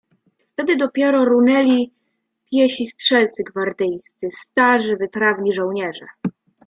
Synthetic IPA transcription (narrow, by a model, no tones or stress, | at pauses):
ft̪ɛd̪ɘd̪ɔpʲjɛɾɔɾunɛlʲi | pʲjɛɕistʂɛlt̪sɘɡvaɾd̪ɘjst̪sɘst̪aʐɘvɘpɾavɲiʐɔw̃ɲɛʐɛ̰